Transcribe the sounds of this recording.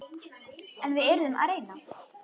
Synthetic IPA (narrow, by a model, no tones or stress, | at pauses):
ɛnvɪðɛɾʏðʏma̰ðɾejna